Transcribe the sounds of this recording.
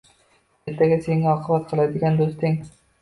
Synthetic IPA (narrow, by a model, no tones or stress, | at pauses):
eɾt̪ʰaɡʲaseŋʲaɒqʰɨbat̪̚qʰɨlˠad̪ɪɡʲand̪ost̪ɪŋ